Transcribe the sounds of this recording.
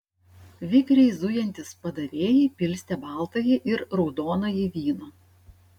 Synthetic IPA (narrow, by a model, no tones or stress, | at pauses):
ʋʲɪkɾʲɛɪzʊjɛnʲt̪ʲɪspɐd̪ɐʋʲeːjipʲɪlʲsʲt̪ʲɛbɑˑlˠt̪ɐjɪʔɪɾɾɔʊd̪oːnɐjɪʋʲiːnoː